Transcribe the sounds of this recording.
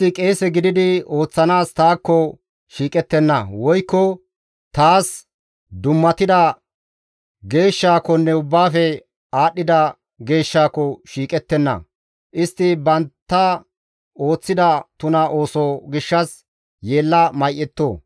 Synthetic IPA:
ɪkʼe̞ːsɛɡɪd̪ɪd̪ɪo̞ːt͡sːɐnaːst̪aːkːɔ | ʃiːkʼɛt̪ːɛnːɐ̰wɔjkːɔ | t̪aːs | d̪ʊmːɐt̪ɪd̪ɐ | ɡe̞ːʃːaːkɔnːɛʊbːaːfɛ | aːɗːɪd̪ɐ | ɡe̞ːʃːaːkːɔʃiːkʼɛt̪ːɛnːɐ̰ | ʔɪst̪ːɪbɐnt̪ːɐ | o̞ːt͡sːɪd̪ɐt̪ʊnɐʔo̞ːsɔɡɪʃːɐs | jeːlːɐmɐjʔːɛt̪ːoː

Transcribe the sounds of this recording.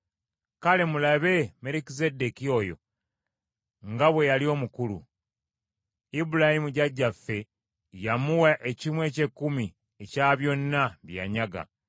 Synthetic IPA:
kale̞mulaβe̞me̞ɾikize̞dekio̞jo̞̰ | ŋɡaβwe̞jalio̞ːmukulṵ | ibulahimuɟaɟːafːe̞ | jamuwaʔe̞cimwe̞ːce̞kːumi | e̞caβjo̞nːaβja̰ːɲaɡa̰

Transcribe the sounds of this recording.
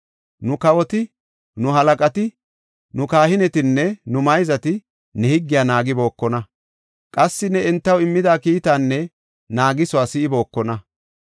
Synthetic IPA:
nʊkɐwɔt̪ɪ | nʊɦɐlɐkʼɐt̪ɪ | nʊkaːhɪnɛt̪ɪnːɛnʊmɐjzɐt̪ɪ | nɛhɪɡːɪjaːnaːɡɪbo̞ːkːɔnɐ | kʼɐsːɪnɛɛnt̪ːɐwɪmːɪd̪aːkiːt̪aːnːɛ | naːɡɪsʊaːsɪɪbo̞ːkːɔnɐ

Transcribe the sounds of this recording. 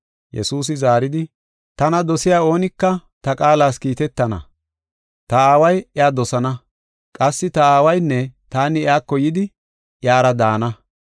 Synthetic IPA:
jɛ̰suːs̬ɪzaːɾɪd̪ɪ | t̪ɐnɐd̪ɔsɪjaːo̞ːnɪkːɐt̪ɐkʼaːlaːskiːt̪ɛt̪ːɐnɐ̰ | t̪ɐaːwɐjɛaːd̪ɔsɐnɐ | kʼɐsːɪt̪ɐaːwɐjnːɛt̪aːnɪɛaːkːɔjɪd̪ɪ | ʔjaːɾɐd̪aːnɐ

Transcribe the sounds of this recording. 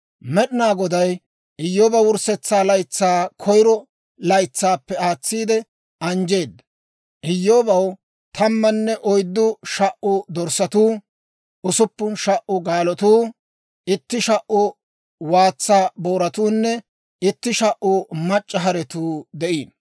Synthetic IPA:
mɛɗɪnaːɡɔd̪ɐj | ʔɪjːoːbɐwʊɾsɛt͡sːaːlɐjt͡sːaːkʰɔjɾɔ | lɐjt͡sːaːpːɛaːt͡sːiːd̪ɛ | ʔɐnd͡ʒe̞ːd̪ːɐ | ʔɪjːoːbɐw | t̪ʰɐmːɐnːɛʔɔjd̪ːʊʃɐʔʊd̪ɔɾsɐt̪uː | ʔʊsʊpːʊnʃɐʔʔʊɡaːlɔt̪uː | ʔɪt̪ːɪʃɐʔʊ | waːt͡sːaːboːɾɐt̪uːnːɛ | ɪt̪ːɪʃɐʔʊmɐt͡ʃʼːɐɦɐɾɛt̪uːd̪ɛʔiːn

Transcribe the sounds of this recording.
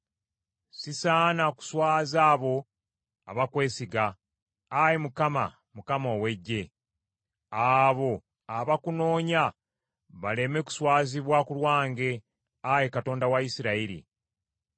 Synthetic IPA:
sisaːnaku̥swaːzaːβo̞ | a̰βakwe̞ːsiɡaː | jemukama̰ | mukamoːwe̞ɟːe̞ | aːβo̞ | aβakuno̞ːɲa | βale̞me̞ku̥swaːziβwakulwaːŋɡe̞ | ajekato̞ːndawajisiɾaiɾḭ

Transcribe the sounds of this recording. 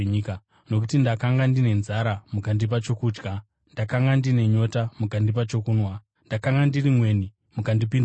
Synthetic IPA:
ɲika | no̞k̬utindakaŋɡandine̞nzaɾamukandip̬at͡ʃo̞kuːd͡ʒɡa | ndakaŋɡandine̞ɲo̞tamukandip̬at͡ʃo̞kunwa | ndakaŋɡandirimwe̞ːni | mukandipin

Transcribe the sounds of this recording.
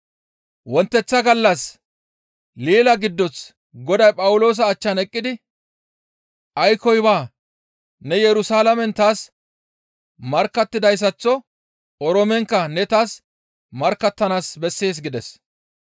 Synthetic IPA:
wɔnt̪ːɛt͡sːɐɡɐlːɐs | liːlɐɡɪd̪ːɔs | ɡɔd̪ɐjpʼɐwʊlo̞ːs̬ɐːt͡ʃːɐnɛkʼːɪd̪ɪ | ʔɐjkɔjbaː | nɛjɛɾʊsaːlɐmɛnt̪aːs | mɐɾkːɐt̪ːɪd̪ɐjs̬ɐt͡sːɔ | ɔɾɔmɛŋkːɐnɛt̪aːs | mɐɾkːɐt̪ːɐnaːsbɛsːe̞ːs̬ɡɪd̪ɛs

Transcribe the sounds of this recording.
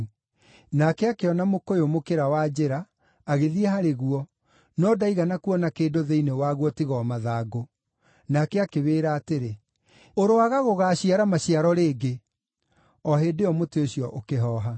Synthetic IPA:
nakɛakeɔnamokojomokeɾawad͡ʑeɾaː | ɣeðiɛhaɾeɣuɔ | nɔdaiɣanakuɔnakeːdoðeinewaɣwɔtiɣɔmaðaːɡo | nakɛakeβeːɾaːteɾe | oɾoaɣaɣoɣaːɕiaɾamaɕiaɾɔɾeːɡe | ɔɦeːdeɔmoteoɕjɔʔokeɦɔːɦa

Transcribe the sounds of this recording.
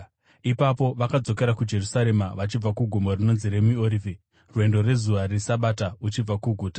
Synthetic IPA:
ipapo̞ʋakad͡zo̞ke̞ɾakud͡ʒe̞rusaɾe̞maʋat͡ʃib͡vakuɡʱumorino̞nzire̞mioɾivi | rwe̞ndo̞re̞zuʋaresaɓataut͡ʃib͡vakuɡʱuːta

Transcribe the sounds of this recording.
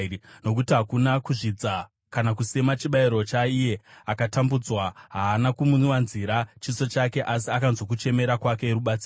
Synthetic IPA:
no̞k̬utiɦakunakuʐid͡za | kanakusemat͡ʃiɓaiɾo̞t͡ʃaije̞akatambud͡zwaɦaːnakumunwanziɾat͡ʃiso̞t͡ʃake̞ʔas̬iakanzo̞k̬ut͡ʃe̞me̞ɾakwake̞ːɾuɓat͡siː

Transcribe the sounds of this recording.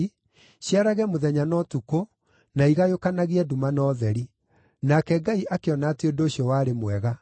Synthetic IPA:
ɕjaɾaɣɛmoðɛɲanɔtuko | naiɣajokanaɣiɛdumanɔðɛɾi | nakɛɡaiʔakeɔnaːtiondoːɕjɔwaːɾemwɛɣa

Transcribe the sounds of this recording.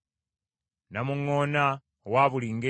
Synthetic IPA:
namuŋːoːna | waːβuliŋɡe

